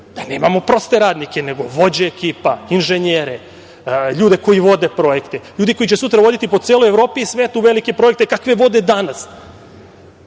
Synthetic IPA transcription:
d̪̥aneːmamo̞pɾo̞st̪e̞ɾaːd̪nike̞ne̞ɡo̞ʋo̞d͡ʑeːkiːpainʒeɲeːɾe | ʎuːd̪e̞ko̞jiʋo̞d̪e̞pɾo̞jekt̪eʎuːd̪iko̞jit͡ɕesut̪ɾaʋo̞d̪it̪ipo̥seːlo̞jevɾo̞ːpiisʋeːt̪uʋelike̞pɾo̞e̞k̚t̪ekakʋe̞ʋo̞d̪e̞d̪anas

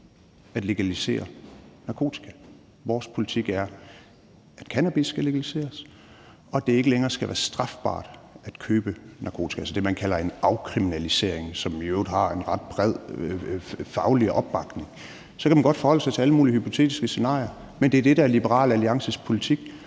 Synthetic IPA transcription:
æd̥le̝ɡ̥ælise̝̰ːɐnɑ̈kʰo̝̰ːt͡sʰi̥kʰæ | ʋɒːspʰo̝lit͡sʰiɡ̥æɐ | æd̥kʰænæb̥isːɡ̥æle̝ɡ̥ælise̝̰ːɐs | ɒ̽d̥e̝e̝ɡ̥əleŋɐːsɡ̥æʋæ̰ːɐsd̥ʁɑ̈fb̥ɑ̰̈ːd̥æd̥kʰøːb̥ənʔɑ̈kʰo̝ːt͡sʰi̥ælsəd̥e̝mænkʰælɐe̝nɑ̈ʊkʰʁiminælise̝̰ɐ̰eŋsɒ̽miøʊdˠɦɑ̈enʁɑ̈d̥̚b̥ʁɛð̰ˠ | fɑ̈ʊliʔɒ̽b̥ːɑ̈ɡ̥ne̝ŋ | sɒ̽kʰæmænɡ̥ɒ̽d̥fɒhɒ̽l̰sɑ̈ɪt͡sʰe̝æləmuːlihypʰo̝t͡sʰe̝̰ːd̥isɡ̥əse̝nɑ̰̈ːɪɐ | mend̥e̝æɐd̥e̝d̥ææɐlib̥əʁɑ̰̈ːlæliɑ̈ŋsəspʰo̝lit͡sʰiɡ̥

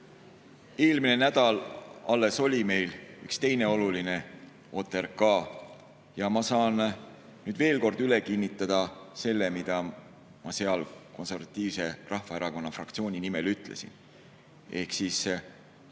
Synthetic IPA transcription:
e̞ːlmine̞næd̪̥ɑlɑlːe̞so̞lʲime̞jlykst̪e̞jne̞o̞luline̞ | o̞ːt̪ːˑe̞ɾkɑː | jɑmɑsɑːn | nyːd̪̥ve̞ːlko̞rd̪̥yle̞kinːit̪ːˑɑd̪̥ɑse̞lːe̞mid̪̥ɑ | mɑse̞ɑlko̞nse̞rvɑt̪ːˑiːvse̞rʔɑhfɑeɾɑko̞nːɑfrɑ̰k̚t̪sio̞ːnʲinime̞lyt̪ˑle̞̰sḭn | e̞hksis

